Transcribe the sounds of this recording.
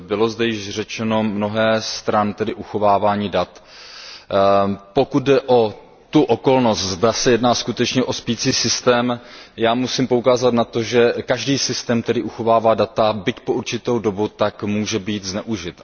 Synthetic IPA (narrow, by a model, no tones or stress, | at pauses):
bɪlo̞zdɛjɪʒr̝ɛt͡ʃɛno̞mno̞ɦɛːst̪ɾant̪ɛdɪʔuxo̞vaːvaːɲiːdat̪ | po̞kud̪̚dɛʔo̞ | t̪uʔoko̞lno̞st̪zdasɛjɛdnaːskut̪ɛt͡ʃɲɛʔo̞spiːt͡siːsɪst̪ɛːmjaːmusimpo̞ukaːzat̪nat̪o̞ʒɛkaʒdiːsɪst̪ɛːmt̪ɛdɪʔuxo̞vaːvaːdat̪abɪcpoʔuɾt͡ʃɪt̪owdo̞but̪akmuːʒɛbiːt̪znɛʔuʒɪt̪